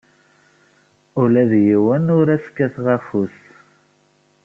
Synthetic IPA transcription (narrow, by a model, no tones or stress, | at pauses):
ʊlæðjiwænʊɾæskːæθʁafus